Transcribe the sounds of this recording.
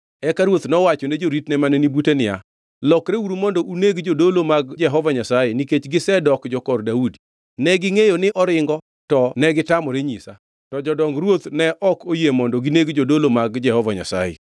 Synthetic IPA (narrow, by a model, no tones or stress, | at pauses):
ɛkaɾwot̪nɔwat͡ʃoned͡ʒoɾitnɛmanenibutenɪja̰ | lɔkɾeuɾumɔndɔʔuneɡd͡ʒodolomaɡd͡ʒɛɦɔvaɲasajeniket͡ʃɡɪsɛdɔkd͡ʒɔkɔrdaudi̥ | nɛɡɪŋejonɪʔɔɾɪŋɡɔ | tɔnɛɡɪtamɔɾeɲisa̰ | tɔd͡ʒɔdɔŋɾwot̪nɛʔɔkojemɔndɔɡineɡd͡ʒodolomaɡd͡ʒɛhɔvaɲa̰sa̰jḛ